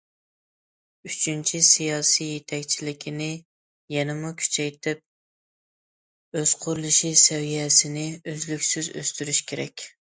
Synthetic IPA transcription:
yt͡ʃʰynt͡ʃʰisijɑːsijet̪ʰɛkʲt͡ʃʰilɪkʲʰinɪ | jɛnɪmukʲʰy̥t͡ʃʰɛjt̪ʰɪp̚ | øz̥qʰʊɾlˠɨʃisɛwijɛsɪnɪøzlykʲsyzø̰st̪yɾyʃkʲeɾɛ̰kʲ

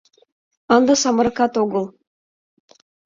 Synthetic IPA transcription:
ɑnd̪ɑsɑmə̆ɾɤkɑt̪oɡɤ̆lˠ

